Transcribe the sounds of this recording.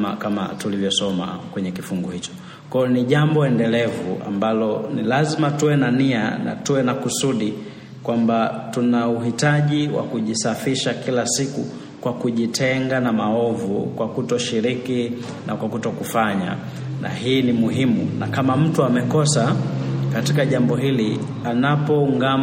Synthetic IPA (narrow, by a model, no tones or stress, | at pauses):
ma̰kama̰tulivjɔsɔma̰kwɛɲɛkifuŋɡɔhit͡ʃɔ̥ | kɔɔniʄambɔɛndɛlɛvṵʔa̰mbalɔnilazimatuwɛnaniana̰tuwɛnakusuɗi | kwambatunauɦitaʄiwa̰kuʄisafiʃakilasikṵ | kwakuʄitʰɛŋɡanamaɔvṵkwakutɔʃiɾiki | nakwakutɔkufaɲa̰ | na̰hiːnimuɦimṵnakamam̩tuamɛkɔsakatikaʄambɔɦili | anapɔuŋɡam